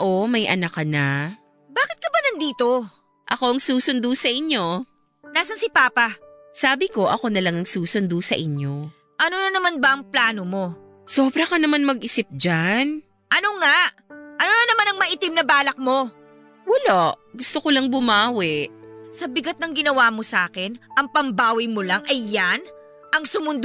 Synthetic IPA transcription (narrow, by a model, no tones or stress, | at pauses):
ʔomɐjʔɐ̰nɐkɐna | baːkɪt̪̚kɐbɐnɐnd̪iːt̪o̞ | ʔɐko̞ɐŋsuːsʊnd̪usɐʔɪɲjo̞ | naːsɐnsɪpaːpɐ | saːbɪko̞ʔɐko̞nɐlɐŋɐŋsuːsʊnd̪usɐʔɪɲjo̞ | ʔɐnonɐnɐmanbɐʔɐŋplaːnomo̞ | soːbɾɐkɐnɐmanmɐɡʔɪsɪp̚d͡ʒan | ʔɐno̞ŋaʔʔɐnonɐnɐmanɐŋmɐʔɪt̪ɪmnɐbaːlɐk̚mo̞ | wɐloʔɡʊst̪okolɐŋbʊmaːwɛʔsɐbɪɡat̪̚nɐŋɡɪnɐwaːmo̞sɐaːkɛnʔɐŋpɐmbaːwɪjmolɐŋɐjːan | ʔɐŋsʊmʊnd̪